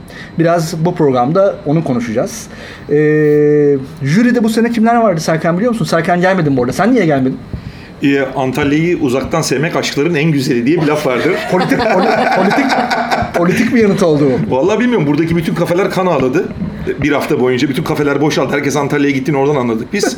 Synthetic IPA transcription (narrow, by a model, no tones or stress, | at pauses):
biɾazbupʰɾo̞ɡɾamd̪aonukʰo̞nuʃud͡ʒaz̥ | ɛː | ʒyɾid̪ɛbusenɛcʰimlʲæɾvaɾd̪ɯsæɾcʰænbilʲiomusunshæɾcʰænɟælʲmed̪inbuɾd̪asænːijɛɟælʲme̞d̪im | ɛant̪ʰalʲːejiʔuzak̚t̪ʰansɛvmɛcaʃɯ̥klˠaɾɯnænɟyze̞lʲid̪ijɛbilʲafvaɾd̪ɯɾ̥pʰolʲit̪ʰicolpʰolʲit̪icpʰo̞lʲit̪ʰic̚bijanɯt̪o̞lˠd̪uvalˠːaːbilʲmijo̞ɾumbuɾd̪acibyt̪ʰynkʰafelʲæɾkʰanaːlˠad̪ɯ | biɾhaft̪ʰabo̞jund͡ʒabyt̪ʰynkʰafe̞lʲæɾbo̞ʃalˠd̪ɯhæɾcʰɛsant̪ʰalʲjajaɟit̪ʰːino̞ɾd̪ananˠad̪ɯk̚biz̥